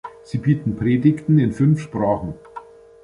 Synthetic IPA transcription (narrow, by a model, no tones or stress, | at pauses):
z̥iːbiːtn̩pʁ̥eːdɪçtn̩ɪnfʏnfʃpʁ̥aːχn̩